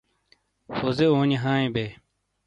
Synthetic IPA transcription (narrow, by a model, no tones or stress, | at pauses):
fozeoːniɦaːẽbe